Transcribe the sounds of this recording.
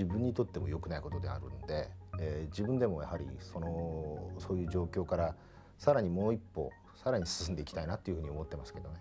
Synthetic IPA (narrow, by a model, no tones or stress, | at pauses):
ibɯ̟̃ɲ̟ːit̪o̞t̪ːe̞mo̞jo̞kɯ̟naiko̞t̪o̞d̪e̞a̰ɾɯ̟̰nod̪e̞d͡ʑibɯ̟̃nd̪e̞mo̞ja̰haɾʲḭso̞noso̞ːjɯ̟ːʑo̞ːkʲo̞ːkaɾa | saɾaɲ̟imo̞ːipːo̞̰ | saɾaɲ̟isɨ̥sɨ̃nd̪e̞ikʲi̥t̪ainat̪ːo̞iɯ̟ɯ̟ɲ̟iomo̞t̪ːe̞masɨ̥ke̞d̪o̞ne̞